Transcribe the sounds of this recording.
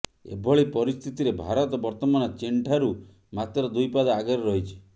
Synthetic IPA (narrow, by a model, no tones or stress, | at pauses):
ḛbʱɔɭipɔɾist̪ʰit̪iɾebʱaɾɔt̪ɔbɔɾt̪ɔmanɔt͡ʃeɳʈʰaɾu | mat̪ɾɔd̪ujpad̪aɡɔɾɾɔɦit͡ʃʰi̥